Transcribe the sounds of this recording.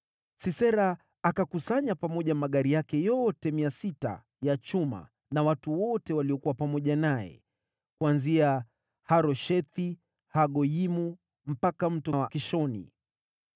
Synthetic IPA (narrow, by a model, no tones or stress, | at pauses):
sisɛɾaː | kakusaɲapamɔʄamaɠaɾijakɛjɔtɛmiasita̰ | jat͡ʃuma̰ | nawatuwɔtɛwaliɔkuwapamɔʄanajɛ̰ | kuanzia | haɾɔʃɛt̪i | haɠɔimu | m̩pakam̩tɔwakiʃɔnḭ